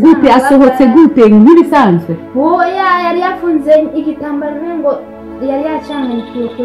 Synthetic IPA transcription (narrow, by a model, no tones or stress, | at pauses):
ɡutɛasɔɦɔt͡sɛɡutɛŋŋɡiɾisaːnzwɛwojajaɾiafunzɛikitaːmbaɾiɾɛŋɡɔ | jaɾijat͡ʃaŋanikiuku